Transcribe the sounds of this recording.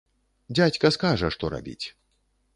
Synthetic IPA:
d͡zʲat͡sʲkɐskaʐɐʂt̪ɔɾa̰bʲḭt͡sʲ

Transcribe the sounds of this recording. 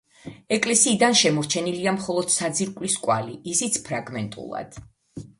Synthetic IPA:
ɛkʼlɛsiːd̪anʃɛmɔɾt͡ʃʰɛniliamχɔlˠɔd̪̥sad̪ziɾkʼliskʼwa̰liisit̪sʰpʰɾaɡmɛnt̪ʼṵlˠa̰d̪̥

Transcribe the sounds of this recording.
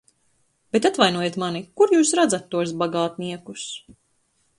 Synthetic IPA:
b̥et̪at̪vajnuɔjet̪manikuɾjuːsɾad̪zat̪ːuɔs̬baɡaːt̪niɛkus

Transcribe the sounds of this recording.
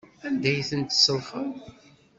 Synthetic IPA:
ænd̪æjθənt̪səɾˤfəð

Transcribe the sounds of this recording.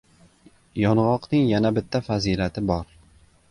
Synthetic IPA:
jɒnʁɒqnɪŋjanabɪt̪ʰːafazilat̪ʰɪbɒɾ

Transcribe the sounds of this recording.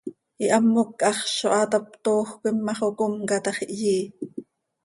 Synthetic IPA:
ʔiʔɑmːokʔɑχʃoʔɑt̪ɑp̚t̪oːxkʷimːɑχokomkɑt̪ɑχiʔjiː

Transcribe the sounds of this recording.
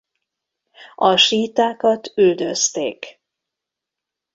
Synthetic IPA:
ɒʃiːt̪aːkɒt̪yld̪øst̪ḛːk

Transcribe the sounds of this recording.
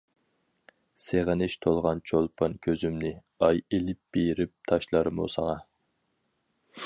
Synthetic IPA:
seʁənɪʃt̪ʰolˠʁɑnt͡ʃʰolˠpʰɑnkʲʰøzymnɪ | ɑjelɪp̚b̥ejɾɪp̚t̪ʰɑʃlˠɑɾmṵsɑŋɑ

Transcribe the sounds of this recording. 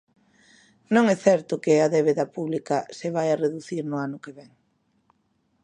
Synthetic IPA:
nõŋɛθɛɾt̪ʊkɪaðeβ̞eðɐpuβlikɐseβajareðuθiɾnʊanʊkeβɛŋ

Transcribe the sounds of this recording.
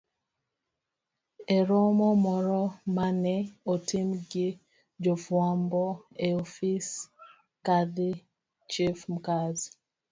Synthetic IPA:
ɛɾɔmɔmɔɾɔmanɛotʰɪmɡɪ | d͡ʒɔfwambɔeofis | kadɪ | t͡ʃifmkaz

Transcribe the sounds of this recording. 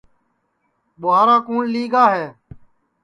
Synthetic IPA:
ɓʊaːɾaːkuːnliːɡaːɦeː

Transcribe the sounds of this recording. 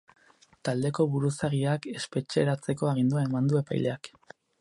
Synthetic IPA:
t̪ald̪e̞ko̞βuɾusaɣiake̞spe̞t͡ʃe̞ɾat͡se̞ko̞aɣ̞ind̪uae̞mand̪ue̞pa̰jle̞ak

